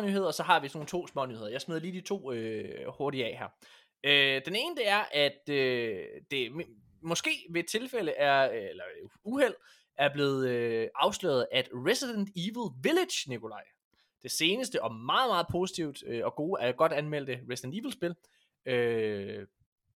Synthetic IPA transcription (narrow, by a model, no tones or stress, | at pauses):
nyːe̝ð̞̰ˠɐsɒ̽ɦɑ̈ʋisno̝ːn̩t͡sʰo̝̰ːsmɒ̰̽nyːhḛɐjɑaɪsmeð̞̰ˠɐliːd̥it͡sʰo̝̰ːøho̝ɐɾiɛɦæɐ̰ | ød̥ene̝ːnəd̥əæɐʔæd̥ø̥ | e̝m | mɒ̽sɡ̥e̝̰ːʋe̝t͡sʰe̝lfel̰əʔæɐelɐuhel̰ | æɐb̥le̝ːð̞̩ˠøʔɑ̈ʊslø̰ːð̩ˠæd̥ʁesid̥end̥iʋl̩ˠʋiled̥jnikʰo̝lɑ̈ɪ̰ | d̥e̝se̝ːnəsd̥əʔɒ̽mɑ̈ːð̩ˠmɑ̈ːð̞̩ˠpʰo̝ːsi̥t͡sʰiʊ̰d̥øɒ̽ɡ̥o̝ːæɐjɡ̥ɒ̽d̥ænmel̰d̥əʁesid̥end̥iːʋl̩sb̥e̝l | ø